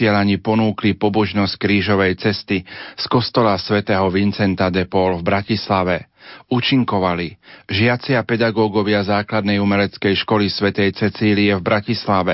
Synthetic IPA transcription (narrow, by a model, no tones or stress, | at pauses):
ɪɛlaɲipɔnuːklipɔbɔʒnɔsc̚kɾiːʒɔʋɛjt͡sɛst̪iskɔst̪ɔlasʋɛt̪ɛːɦɔʋint͡sɛnt̪ad̪ɛpɔlvbɾacislaʋɛuːt͡ʃiŋkɔʋaliʒɪat͡sɪapɛd̪aɡɔːɡɔʋɪazaːklad̪nɛjumɛlɛt͡skɛjʃkɔlisʋɛt̪ɛjt͡sɛt͡siːliɛvbɾacislaʋɛ